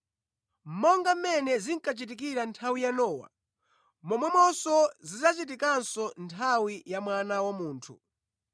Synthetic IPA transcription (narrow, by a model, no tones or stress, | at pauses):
m̩mɔŋɡam̩mɛnɛziŋkat͡ʃit̬ik̬iɾantʰawijanɔːwa̰ | mɔmwɛmɔsɔzizat͡ʃit̬ikansɔntʰawijamwanawamuːntʰu